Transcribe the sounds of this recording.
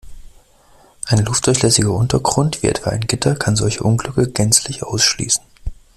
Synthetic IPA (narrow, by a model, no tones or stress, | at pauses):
ʔaɪnlʊftd̥ʊɐçlɛsɪɡɐʔʊntɐɡʁʊntv̥iːʔɛ̰tv̥aːaɪnɡɪtʰɐkʰanzɔlçəʔʊnɡlʏkəɡ̥ɛnt͡slɪçʔa̰ʊsʃlḭːsn̩